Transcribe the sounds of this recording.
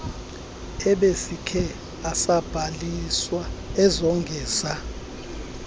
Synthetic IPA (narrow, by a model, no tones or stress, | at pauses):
ɛɓesikʰɛ | asab̥ʱaliswaɛzɔŋɡʱɛːsa